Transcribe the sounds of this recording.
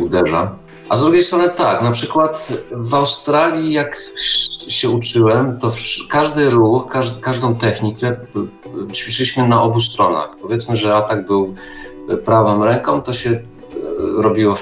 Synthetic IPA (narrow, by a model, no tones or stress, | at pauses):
ud̪ɛʐa̰ | ʔazd̪ɾuɡʲejst̪ɾɔnɘt̪aknapʂɘkwat̪vawst̪ɾalʲjijak | ɕɛut͡ʂɘwɛmt̪ɔfkaʐd̪ɘɾuxkaʐkaʐd̪ɔ̃w̃t̪ɛxɲikɛ | t͡ɕfʲiʂɘlʲiɕmɘnaʔɔbust̪ɾɔna̰xpɔvʲjɛt̪smɘʐɛat̪aɡbɘw | pɾavɔmɾɛŋkɔmt̪ɔɕɛ | ɾɔbʲiwɔ